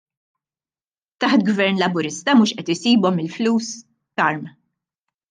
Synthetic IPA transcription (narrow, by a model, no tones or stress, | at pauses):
t̪ɐħt̪ɡvɛɾnlɐbʊɾɪst̪ɐmuːʃʔɛt̪ɪsiːbɔmɪlfluːs | kɐɾm